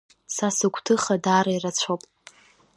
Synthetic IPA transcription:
sasɨɡʷʰʼtʰɨχadaːɾairat͡sʷʰopʼ

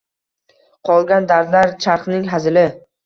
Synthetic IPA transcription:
qʰɒlˠɡʲand̪aɾd̪laɾt͡ʃʰaɾχnɪŋɦazɪlɪ

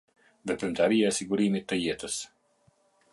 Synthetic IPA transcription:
vɛpɾimt̪aɾijaɛsiɡuɾimit̪ːəjɛt̪əs

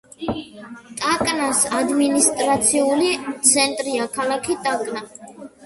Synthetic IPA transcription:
t̪ʼakʼnasad̪minist̪ʼɾat̪sʰiulit̪sʰɛnt̪ʼɾiakʰalˠakʰit̪ʼakʼna

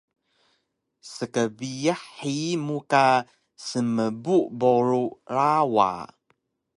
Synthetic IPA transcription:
səkəbiaħimuka | səməbuʔboɾuɾawa̰

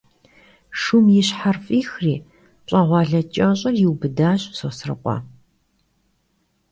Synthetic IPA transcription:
ʂumjɪɕħarfʼiːxriː | pʼaːʁʷɑːɮɐt͡ʃʼɐɕʼɐrjɪwbɨdaːɕʼsɐsrɐ̰qʷʼɑ̰ː

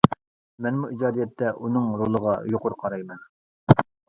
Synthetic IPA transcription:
mɛnmuid͡ʒɑːd̪ijɛt̪ʰːɛʔunɨŋɾolˠəʁɑjoqʊɾqʰɑɾɑjmɛn

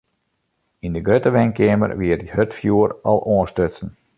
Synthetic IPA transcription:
indəɡrøtəʋɛŋkɪəmə̰rʋɪərthøtfjuərɔ̰lˠʔoəstøtsən̩

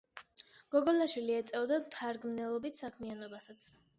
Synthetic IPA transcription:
ɡ̥ɔɡɔlaʃwiliɛt̪sʼɛvd̪amt̪ʰaɾɡmnɛlˠɔbit̪ʰsakʰmianɔbasat̪sʰ

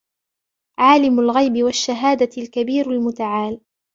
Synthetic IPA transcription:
ʕaːlɪmalɣajbɪwaʃːaɦaːd̪alkabiːɾalmʊt̪aʕaːl

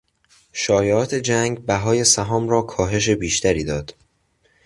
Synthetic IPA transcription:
ʃɒːjeɒːt̪ʰe̞d͡ʒæŋɡbæɦɒːje̞sæɦɒːmɾɒːkʰɒːɦe̞ʃ̬e̞biːʃt̪ʰæɾiːd̪ɒːd̪̥

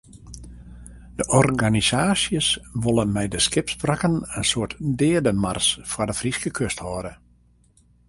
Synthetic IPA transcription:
d̥əʔɔrɡanisaːsjəsʋolˠənmɛjdəskɪpsprakənənsoətdɪːədəmarsfwɔdəfriskəkʰøsthɔːdə

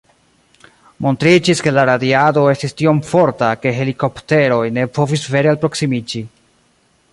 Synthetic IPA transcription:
mo̞ntɾid͡ʒiske̞laɾadiado̞e̞stistio̞mfo̞ɾtake̞ɦe̞liko̞pte̞ɾo̞jne̞po̞visve̞ɾealpɾo̞ksimid͡ʒi

